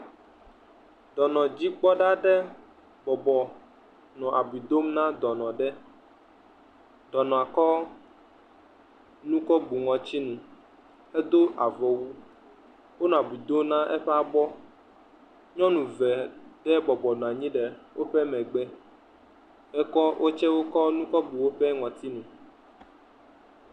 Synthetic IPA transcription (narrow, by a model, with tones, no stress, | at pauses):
d̪̥ɔ˨nɔ̃˨d͡ʑi˦ɡ͡bɔ˦ɖa˦ɖɛ˦ | bɔ˨bɔ˨ | nɔ̃˨ʔa˨bi˨d̪o˦mnã˦d̪ɔ˨nɔ̃˨ɖɛ˦ | ɖ̪̥ɔ˨nɔ̃˨a˨kɔ˦ | nũ˦kɔ˦bu˨ŋɔ̃˨t͡ɕi˦nũ˨ | ɛ˦d̪o˦ʔa˨vɔ˨wu˦ | wo˦nɔ̃˨a˨bwi˨d̪o˦mnã˦ʔɛ˦ɸɛ˦a˨bɔ˦ | ɲɔ̃˦nũ˨vɛ˨ɖ̥ɛ˦bɔ˨bɔ˨nɔ̃˨a˨ɲĩ˦ɖɛ˨wʔo˦ɸɛ˦mɛ̃˨ɡ͡bɛ˦ | ɛ˦kɔ˦wʔo˦t͡ʃɛ˦wo˦kɔ˦nũ˦kɔ˦bu˨wo˦ɸɛ˦ŋɔ̃˨t̪i˦nũ˨